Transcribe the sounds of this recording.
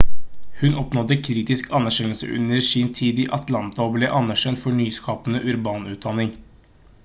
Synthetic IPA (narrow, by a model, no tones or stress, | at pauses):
hʉnʔɔpnɔd̪əkʰɾiːt̪ɪskʰɑnːæɾʃɛnl̩sə̰ʔʉ̰nəɾsɪnt̪ʰiːd̪iːʔɑt̪lɑnt̪ɑɔːbleːʔɑnːæʂɛnt̪fɔɳyːskʰɑːpənəʔʉɾbɑːnʉːt̪̚d̪ɑnɪŋ